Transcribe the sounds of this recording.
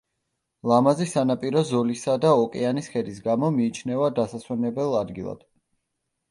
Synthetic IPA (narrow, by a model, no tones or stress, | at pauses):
lˠamazisanapʼiɾɔzɔlisad̪aɔkʼɛanisχɛd̪isɡamɔmiːt͡ʃʰnɛvad̪asaswɛnɛbɛlˠad̪ɡilˠa̰d̪̥